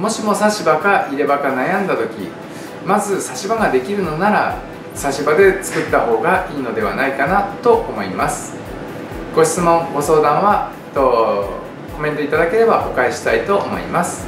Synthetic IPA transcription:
mo̞ɕimo̞saɕibakaʔiɾe̞bakanajãnd̪at̪o̞kʲḭ | mazɨsaɕibaɡad̪e̞kʲiɾɯ̟no̞naɾa̰ | saɕibad̪e̞t͡sɨ̥kɯ̟t̪ːaho̞ːɡaiːno̞d̪e̞β̞anaikanat̪o̞ʔomo̞ḭmasɨ̥ | ɡ̥o̞ɕi̥t͡sɨmõ̞ŋɡo̞so̞ːd̪ãɰ̃βa | t̪o | ko̞mẽ̞nt̪o̞it̪ad̪ake̞ɾe̞baʔo̞kaeɕi̥t̪ait̪o̞ʔːmo̞̰ḭmasɨ̥

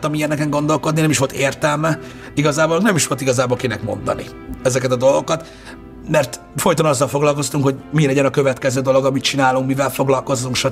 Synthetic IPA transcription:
t̪ɒmijɛnɛkɛŋɡo̞nd̪o̞lko̞d̪ninɛmiʃʋo̞lt̪eːrt̪ɛlmɛ | iɡɒzaːbolnɛmiʃʋo̞lt̪iɡɒzaːbolkinɛ̰kmo̞̰nd̪ɒ̰nḭ | ɛzɛkɛt̪ɒd̪o̞lɡo̞kɒt̪ | mɛrt̪ | fo̞jt̪o̞nɒzːɒlfo̞ɡlɒlko̞st̪uŋkho̞ɟmilɛɟɛnɒkø̞vɛt̪kɛzøːd̪o̞lo̞ɡɒmit̪̚t͡ʃinaːluŋkmivɛlfo̞ɡlɒlko̞zːuŋkʃɒ

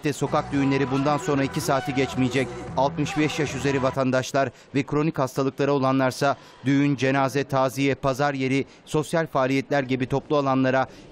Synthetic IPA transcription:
t̪ːɛso̞kak̚d̪yjynlʲe̞ɾibund̪anso̞nɾaicʰisaːt̪ʰiɟɛt͡ʃmijed͡ʒɛcalˠt̪mɯʃbɛʃjaʃyze̞ɾivat̪ʰand̪aʃlˠaɾ | vɛkɾo̞nichast̪ʰalˠɯklˠaɾaolˠanlˠaɾsa | d̪yjynd͡ʒe̞naːzɛt̪ʰaːzijɛpʰazaɾje̞ɾi | so̞sjalʲfaːlʲijɛt̪lʲæɾɟibit̪ʰo̞plˠualˠanlˠaɾa

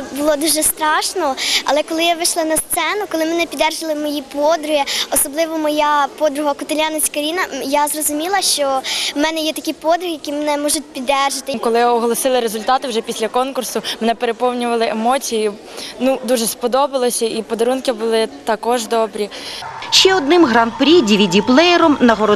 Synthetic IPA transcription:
bʊlˠɔd̪uʒɛst̪ɾɑʃnɔɐlˠɛkɔlˠɪjaʋɪʃlˠɐnɐst̪sɛnʊkɔlˠɪmɛnɛpʲid̪ɛrʒɐlˠɪmɔjipɔd̪ɾʊɦiɔsɔblˠɪʋɔmɔjapɔd̪ɾʊɦɐkʊt̪ɐlʲanɐt͡sʲkɐɾʲinɐjazrɔzʊmʲilˠɐʃt͡ʃɔmɛnɛjɛt̪ɐkijpɔd̪ɾʊɦʲjɐkʲijmenɛmɔʒʊt̚ʲpʲid̪ɛrʒɐt̪ɪmkɔlˠɪɔɦɔlˠɔsɪlˠɪɾezʊlʲt̪ɑt̪ɪwʒɛpʲisʲlʲɐkɔnkʊrsʊmenɛpeɾepɔwnʲʊʋɐlˠɪʔemɔt͡sʲiji | nud̪uʒɛspɔd̪ɔbɪlˠɔsʲɐipɔd̪ɐɾunkɪbʊlˠɪt̪ɐkɔʒd̪ɔbɾʲiʃt͡ʃɛɔd̪nɪmɦɾɑnt̪̚pɾʲidʲiʋʲidʲiplˠɛjɛɾɔmnɐɦɔɾɔ

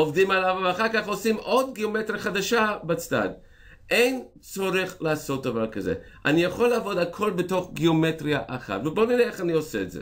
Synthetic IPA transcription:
ovdimalavvaχaʁkaχosimʔodɡiometɾjaχadaʃabat͡sta̰d | ʔejn | t͡soʁiχlaasot̚d̪avaʁkazḛ | ʔa̰nijaχoleavo̞dakʰo̞lbetoχɡiometɾiaʔaχa̰tveboniɾeeχanioseːtzḛ

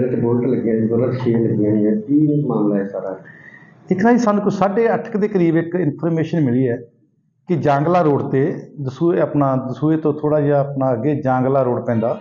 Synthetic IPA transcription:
ɾaːt̪eːboːlʈləɡãːbolat̪ʃeːləɡjãːnĩːɛːt̪iːnmaːmlaːɛːsaːɾaː | ɪknaːiːsə̃nd̪kʊt͡ʃsaːɖeːəʈʰə̥kd̪eːkəɾiːbɪkɪnpʰəɾmeːʃənmɪliːɛː | kɪd͡ʒãːŋɡlaːɾoːɽt̪eːd̪əsuːeəpnaːd̪əsuːeːt̪õːt̪ʰoːɽaːjaːəpnaːəɡeːd͡ʒãːŋɡlaːɾoːɽpɛ̃ːnd̪aː

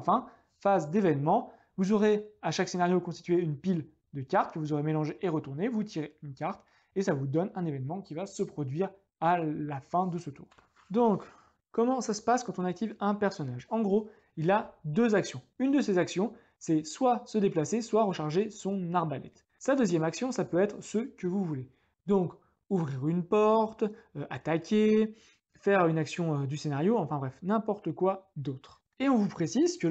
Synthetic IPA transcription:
fɛ̃ | fazd̪evɛnmɑ̃ | vuzɔʁeaʃaksenaʁjokɔ̃st̪i̥t̪ɥeynpil | d̪əkʲaʁt̪kəvuzɔʁemelɑ̃ʒeʔeʁət̪uʁnevut̪ʰiʁeynkʲaʁt̪ | esavud̪ɔnɛ̃nevɛnmɑ̃kʲivasəpχɔd̪ɥiʁ | alafɛ̃d̪əsət̪uːʁ | d̪ɔ̃k | kːɔmɑ̃sasə̥paskɑ̃t̪ɔ̃nak̚t̪ivɛ̃pɛʁsɔnaʒɑ̃ɡʁo | ilad̪øzaksjɔ̃ynd̪əsezaksjɔ̃ | sɛswasəd̪eplaseswaʁəʃaʁʒesɔ̃naʁbalɛ̰t̪ | sad̪øzjɛmaksjɔ̃sapøɛt̪χsəkəvuvule | d̪ɔ̃k | uvʁiʁynpɔʁt̪øʔat̪akʲʰe | fɛʁynaksjɔ̃ød̪ysenaʁjoɑ̃fɛ̃bʁɛfnɛ̃pɔʁt̪əkwad̪ot̪χ | eɔ̃vupχesizkʲə

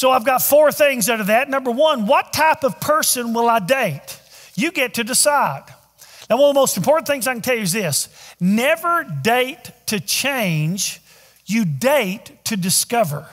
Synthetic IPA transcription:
soʊaɪvɡɑtfɔɹθɪ̃ŋzaʊɾə˞ðɨtⁿnʌ̃mbə˞wʌ̃nwʌtʰaɪpʌv̥pʰɜ˞sɨ̃nwəlˠaɪdeɪt | ɨɡɛtʰɨdɨsaɪd̥̚ | ðɨwʌ̃nəvðəmoʊstmpʰɔɹʔn̩θɪ̃ŋzaɪkɨ̃n̩tʰɛlˠjʉːzðɪsnɛvə˞deɪtʰɨt͡ʃʰẽɪ̃nd͡ʒ | jɨdeɪtʰɨdɨskʌvə˞

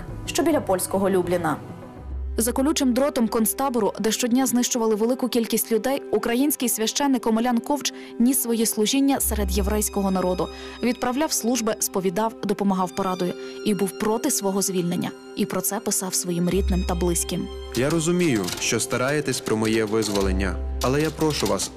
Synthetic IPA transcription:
ʃt͡ʃɔbʲilʲɐpɔlʲsʲkɔɦɔlʲublʲɪnɐ | zɐkɔlʲut͡ʃɪmd̪ɾɔt̪ɔmkɔnst̪ɑbɔɾʊd̪ɛʃt͡ʃɔdʲnʲaznɪʃt͡ʃʊʋɐlˠɪʋelˠɪkʊkʲilʲkʲisʲtʲlʲʊd̪ɛjukɾɐjinʲsʲkɪjsʲʋʲɐʃt͡ʃɛnːɪkɔmɔlʲankɔwt͡ʃ | nʲisʋɔjislˠʊʒinʲːɐsɛɾed̪jeʋɾɛjsʲkɔɦɔnɐɾɔd̪ʊ | ʋʲid̪̚pɾɐwlʲawslˠuʒbɪspɔʋʲid̪ɑwd̪ɔpɔmɐɦɑwpɔɾɑd̪ɔjʊibuwpɾɔt̪ɪsʋɔɦɔzʲʋʲilʲnenʲːɐ̰ | ipɾɔt̪sɛpɪsɑwsʋɔjimɾʲid̪̚nɪmt̪ɐblˠɪsʲkɪm | jaɾɔzʊmʲijʊʃt͡ʃɔst̪ɐɾɑjet̪ɛsʲpɾɔmɔjɛʋɪzʋɔlˠenʲːɐ̰ɐlˠɛjapɾɔʃʊʋɑs

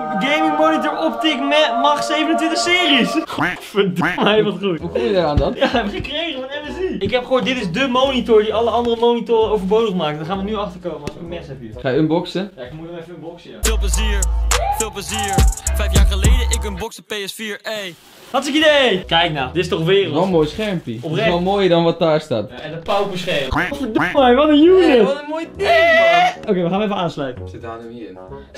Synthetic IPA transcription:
ɡejmɪŋmɔnitəɹɔptɪkmɛmɑχsejvənəntʋɪntəχsɪːrisχfədmɛjʋɑtχuɦukɔmjədaːaːndɑtjaəəkrejχəʋənɛvəziɪkɦɛpχəɦoːt̚dɪtɪzdəmownitʊɹdiɑləɑndərəmownitʊrəowvəɹbowdəχmaːktdaχaːnʋənyɑχtəɹkowməɔskəmɛnsɛpyχaːjəənbɔksəjaɪkmuɔnɛfəənbɔksja̰fɪːlˠpləziəɹfɪlˠpləziːɹfɛjfjaːɹχəlejdəɪkənbɔksəpeɛsfiːɹej | hɑtɪkidekɛjknawdɪstɔχʋɪːrəlɔmoːjsχɛɹmpiɔprɛɔmoːjədɑnʋɑt̚daːɹsta̰ːtɛndəpawbəsχɛətfədmɛjʋɔtənjunɪtənmoj | owkejʋəχanʋəefəaːnslœɥtəsɪtanəi

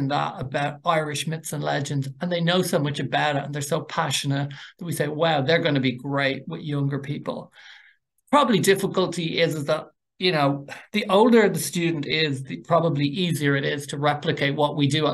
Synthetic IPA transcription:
nðə̰ɾəbaʊɾaɪɹɪʃmɪtsə̃nlɛ̰d͡ʒɨ̃ndzə̃nðeɪnoʊsoʊmʌt͡ʃəbaʊɾəə̃nðə˞soʊpʰaʃənət̚ðət̚wiseɪwaʊðə˞ɡʌ̃nəbiɡɹeɪʔ̚wɪðjʌ̃ŋɡə˞pʰipə̰lˠ | pʰɹ̥ɑbəblidɪfəkəlˠtʰiʔɪzɪzðət̚ | jɨnoʊðiʔoʊlˠdə˞ðəstʉdⁿn̩tɪzðipʰɹ̥ɑbəbliʔiziə˞ɪɾɪz̥tʰəɹɛplɨkʰeɪʔ̚wɒʔwidɨə

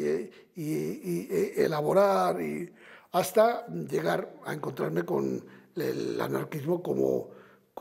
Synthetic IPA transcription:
i | elaβo̞ɾaɾiast̪aʝe̞ɣaɾaeŋko̞nt̪ɾaɾme̞ko̞̰nela̰naɾkizmo̞ko̞mo̞̰ | k

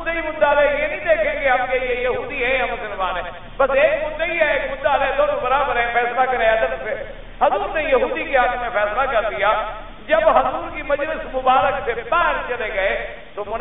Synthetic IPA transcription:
d̪əimʊd̪alɛjenə̃ĩːd̪eːkʰẽɡeɦɐmkejejɐɦuːd̪iɦɛ̃ɐmsɪlmaːnɦɛ̃ | bɐseːkmʊd̪ːəiɦɛeːkmʊd̪alɛd̪oːnõbɐɾaːbəɾɦɛ̃ːfɛːslakɐɾẽɐd̪ət̪se | ɦɐzuːɾnejɐɦuːd̪ikeɦak̪ʰmẽfɛːslakɐɾd̪ijaː | d͡ʒɐbɦɐzuːɾkimɐd͡ʒlɪsmʊbaːɾəksepɛːɾt͡ʃɐleɡɐe | t̪omʊn

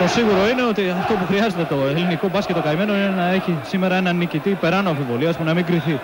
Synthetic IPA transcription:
t̪o̞siɣuɾo̞ine̞o̞t̪iɐft̪o̞puxɾiɐzet̪e̞t̪o̞eliniko̞bɐsce̞t̪o̞kɐime̞no̞inenɐe̞çisime̞ɾɐe̞nɐnicit̪ipe̞ɾɐnoɐɱfivo̞liɐspunɐmiŋɡɾiθi

